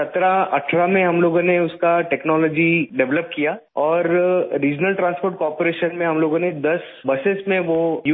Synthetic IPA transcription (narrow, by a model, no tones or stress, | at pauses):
sɐt̪ɾaɐʈʰɾamẽɦɐmloːɡõneʊskaʈɛːknɔːlɔːd͡ʒiɖɛʋləp̚kijaː | ɔːɾːiːd͡ʒnəlʈɾãːnspoːɾʈ̚kɔːɾpoɾeːʃənmẽɦɐmloːɡõned̪ɐs | bɐsesmẽʋojuː